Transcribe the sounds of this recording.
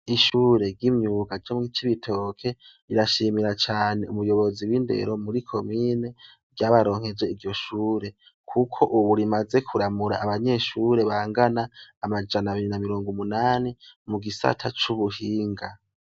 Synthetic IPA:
iʃuːɾe̞ɡɟimɲuːɡaɟomit͡ʃiβitʰo̞ːkʰe̞ | iɾaʃimiɾat͡ʃaːne̞umujo̞βo̞ziwiːnde̞̰ɾo̞muɾikʰo̞miːne̞ | ɟaβaɾo̞ːŋ̥hezwe̞iɾɟo̞ʃuːɾe̞ | kʰukʰo̞ʔuβuɾimaze̞kʰuɾamuɾa̰ʔːβaɲe̞ʃuːɾe̞βaːŋɡanaːmad͡ʒanaβiɾinamiɾoːŋɡumunaːnimuɡisa̰tʰat͡ʃuβuhiːŋɡa

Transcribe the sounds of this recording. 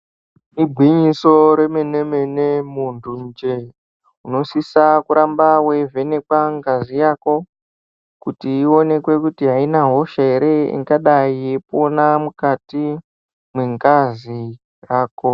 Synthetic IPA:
nibʱwiɲiso̞ɾe̞me̞nemenemundʱund͡ʒe | uno̞sisakuɾambawe̞ve̞ne̞kwaŋɡazijaːko̞ | kutiːo̞ne̞kwe̞kutiɦainaɦo̞ʃaeɾe̞ḭŋɡaɗaijepo̞namukati | mweŋɡazi | raːko̞

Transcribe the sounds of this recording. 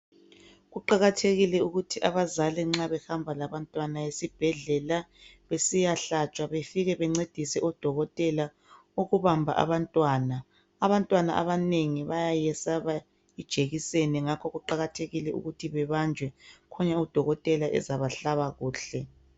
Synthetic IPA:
ɣuǃaɣatʰeɣilɛuɣutʰiʔaβazalɛŋ͡ǁaβɛxambʱalaβantʼwanajesib̥ʱɛɮɛla | βesijaɬat͡ʃʼwaβefiɣɛβɛŋ͡ǀed̥ʱisɛʔɔd̥ʱɔɣɔtʼɛla | uɣuβambʱa̰ʔa̰βantʼwaːna | aβantʼwana̰ʔa̰βaneŋiβajajɛsaβa | id̥ʒ̥ʱeɣiseniŋakʰɔɣuǃaɣatʰeɣilɛṵɣutʰiβɛβand͡ʒʱwɛkʰɔɲaud̥ʱɔɣɔtʼɛlaʔɛ̰zaβaɬaβaɣuːɬɛ

